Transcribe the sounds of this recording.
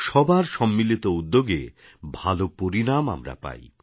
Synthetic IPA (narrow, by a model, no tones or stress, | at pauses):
ʃɔbaɾʃɔmːilit̪oud̪ːoɡḛ | bʱalopoɾinama̰mɾa̰pa̰j